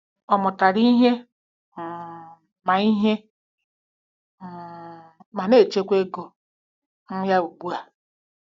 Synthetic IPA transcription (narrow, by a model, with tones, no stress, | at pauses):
ɔ˨mʊ˨ta˨ɾi˦ɦe˦˨ | ma˨i˦ɦe˦˨ | ma˨ne˦˨t͡ʃe˦kʷe˦ɡo˨ | n̩˦ja˦u˨ɡ͡bu˦a˨